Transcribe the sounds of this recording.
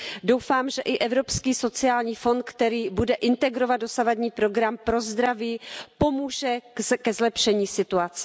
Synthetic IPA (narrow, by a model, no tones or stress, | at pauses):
do̞wfaːmʒɛʔɪʔɛvɾo̞pskiːso̞t͡sɪaːlɲiːfo̞nt̪̚kt̪ɛɾiːbudɛʔɪnt̪ɛɡɾo̞vad̪̚do̞savadɲiːpɾo̞ɡɾampɾo̞zd̪ɾaviːpo̞muːʒɛkɛzlɛpʃɛɲiːsɪt̪uat͡sɛ̥